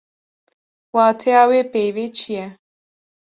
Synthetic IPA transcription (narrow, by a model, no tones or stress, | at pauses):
watʰeawepeβet͡ʃiɛ